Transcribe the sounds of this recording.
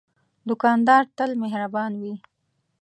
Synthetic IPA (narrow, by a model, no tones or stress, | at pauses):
d̪ʊkɑnd̪ɑɾt̪əlmeɦɾabɑnwi